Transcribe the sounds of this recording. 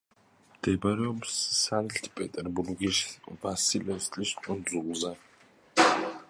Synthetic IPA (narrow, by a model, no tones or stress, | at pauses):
md̪̥ɛbɾɛɔbsːanɬt̪ʰpʼɛt̪ʼɛɾbuɾɡiʃvasilɛst̪ʼliskʼund̪zulza